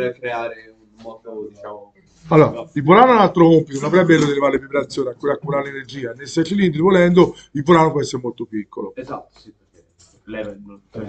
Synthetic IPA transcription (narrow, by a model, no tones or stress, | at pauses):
ɾɛbɾeaɾeu | mɔd̪od̪it͡ʃao | alːoːɾaivolanːoɛnalt̪ɾokompit̪onõnavɾɛbːeɛɾlːod̪ilevaːɾelevepeɾat̪sːjoːniakːuɾakːuɾaɾelenerd͡ʒiːanːesɛt̪ːilind̪ɾivolɛnd̪o | ilvolanopwɛst̪ːɛmːolt̪opikʰːoloezat̪ː | ip | e